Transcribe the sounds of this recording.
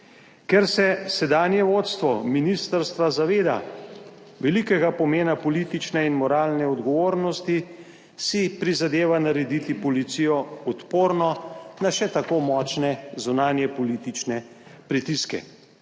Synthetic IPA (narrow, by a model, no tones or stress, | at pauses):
kɛɾsɛsɛd̪aːnjɛʋot̪st̪ʋɔminist̪əɾst̪ʋazaʋeːd̪a̰ | ʋɛlikɛɡapɔmeːnapɔlit̪it͡ʃnɛinmɔɾaːlnɛɔd̪ɡɔʋoːɾnɔst̪i | sipɾizad̪eːʋanaɾɛd̪it̪ipɔlit̪sijɔɔt̪poːɾnɔnaʃɛt̪akomɔːt͡ʃnɛzunaːnjɛpɔliːt̪it͡ʃnɛ | pɾit̪iskɛ̰